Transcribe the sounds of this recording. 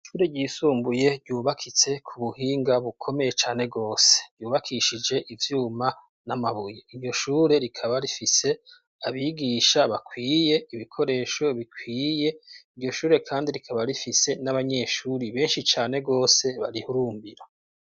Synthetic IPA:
ʃuːɾeɟiːsuːmbuje̞ɟɟuːβakʰit͡se̞kʰuβuhiːŋɡaβukʰo̞me̞je̞t͡ʃaːne̞ɡo̞ːse̥juːβakʰiʃid͡ʒe̞ʔivjuːma | namaβujeiɾjo̞ʃuːɾe̞ɾikʰaβaɾifise̞ | aβiɡiːʃaβakʰwiːje̞iβikʰo̞ɾe̞ːʃo̞βikʰwiːje̞iɟo̞ʃuːɾe̞kʰaːndiɾikʰaβaɾifise̞naβaɲe̞ʃuːɾiβe̞ːnʃit͡ʃaːne̞ɡo̞ːse̞βaɾihuɾuːmbiɾa

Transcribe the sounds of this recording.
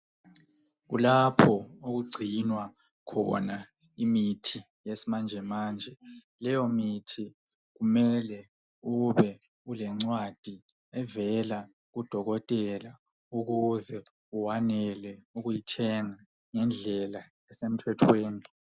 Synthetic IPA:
ɣṵlapʰɔoɣuɡ͡ǀʱinwa | kʰɔ̰na | imitʰi | jesimand͡ʒʱɛmaːnd͡ʒʱɛ | lɛjɔmitʰi | ɣumɛlɛ | uβɛ | ulɛŋ͡ǀwad̥ʱi | ɛvɛla | ɣud̥ʱɔɣɔtʼɛla | uɣuzɛ | uwanɛlɛuɣujitʰɛŋa | ŋɛnd͡ɮʱɛla | ɛsem̩tʰwɛtʰweːni

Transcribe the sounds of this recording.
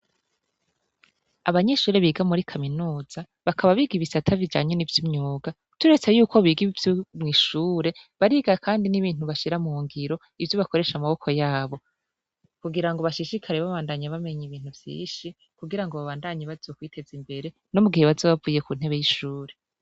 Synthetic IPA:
aβaɲe̞ʃuːɾe̞βiːɡamuɾikʰaminuːz̥a | βakʰaβaβiɡiβisatʰavid͡ʒa̰ːɲenivjimɲuːɡa | tuɾe̞t͡se̞juːko̞βiːɡiβivjomŋiːʃuːɾe̞βaɾiɡakaːndiniβiːn̥uβaʃiɾamuːŋɡiɾo̞ | ivjoβako̞ɾe̞ʃamaβo̞kʰo̞jaːβo̞ | kuɡiɾaŋɡo̞βaʃiʃikʰaɾeβaβaːndaɲaβame̞ɲiβiːn̥huvjḭːʃi | kuɡiɾaŋɡoβaβaːndaɲeβazoːkwiːtʰe̞zimbe̞ɾe̞ | nomuɡiheβazoβavuje̞kun̥he̞βe̞jiʃuːɾe̞

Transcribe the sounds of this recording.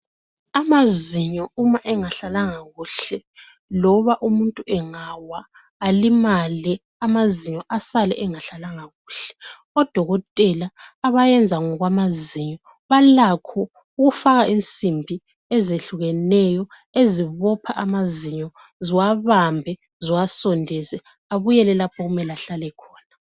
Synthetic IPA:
amaziɲɔumaʔɛŋaɬalaŋaɣuɬɛ | lɔβaʔumuntʼuʔɛŋawaː | limalɛ | amaziɲɔʔasalɛ̰ʔɛŋaɬalaŋaɣuːɬɛ̥ | ɔd̥ʱɔɣɔtʼɛlaːβajɛnd͡zʱaŋɔɣwamaziɲɔ | βalakʰɔ | uɣufaɣaʔint͡sʼimbʱi | ɛzeɬuɣɛnɛjɔ | eziβɔpʰaʔamaziɲɔ | ziwaβambʱɛ | ziwasɔndʱɛzɛ | aβujɛlɛlapʰɔɣumɛlaɬalɛkʰɔːna

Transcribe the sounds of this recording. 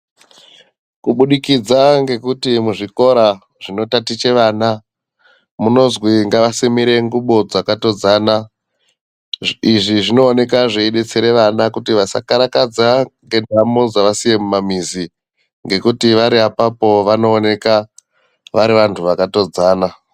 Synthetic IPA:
kuɓuɗikid͡zaŋɡe̞kutimuʐiko̞ɾa | ʐ̥ino̞tatit͡ʃe̞ʋaːna | muno̞zwiŋɡaʋasimiɾe̞ŋɡuɓo̞d͡zakato̞d͡zaːna | iʐiʐino̞ːne̞kaʐeiɗe̞t͡seɾe̞ʋanakutiʋasa̰kaɾakad͡zaŋɡe̞ndʱamod͡zaʋasije̞mumamizi | ŋɡe̞kutiʋaɾiapapo̞ʋano̞ːne̞ka | ʋaɾiʋantʰuʋakato̞d͡zaːna

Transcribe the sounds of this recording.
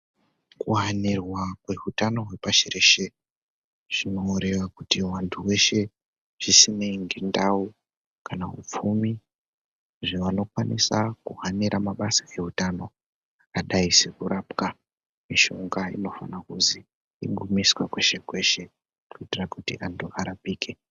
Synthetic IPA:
kuɦanirwakwe̞ɦutano̞ɦwe̞paʃeɾeʃe | ʐ̥ino̞uɾe̞ʋakutiwantʰuwe̞ʃe̞ | ʐ̥isineŋɡendau | kanaɦṵp͡fumi | ʐiʋano̞kwanisakuɦaniɾʔamaɓasae̞ɦutano̞ | aɗaisekuɾaːpka | miʃo̞ŋɡaḭno̞fa̰nakuziː | ɡumiswakwe̞ʃe̞kwe̞ʃe̞ | kuitirakutiʔantʰuaɾapiːke

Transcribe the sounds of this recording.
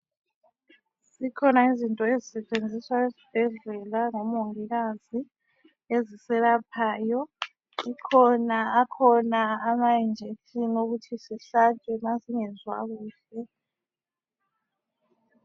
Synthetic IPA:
sikʰɔnaizintʼɔezisɛt͡ʃʼend͡zʱiswaezi̥b̥ʱɛɮɛlaŋɔmoŋiɣazi | ezisɛlapʰaːjɔ | ikʰɔnaakʰɔnaːmajind͡ʒʱetʰinoɣutʰisiɬat͡ʃʼɛmasiŋɛzwa̰ɣuːɬɛ

